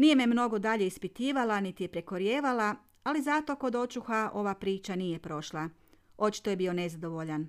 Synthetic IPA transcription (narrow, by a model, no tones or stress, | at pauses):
nije̞memno̞ɡo̞d̪aʎe̞ispit̪iːʋalanit̪ijepɾe̞ko̞ɾjeːʋala | alizat̪o̞ko̞d̪o̞t͡ʃuxaʔo̞ʋapɾiːt͡ʃanije̞pɾo̞ʃlˠao̞t͡ʃi̥t̪oje̞bio̞ne̞zad̪o̞ʋo̞ʎan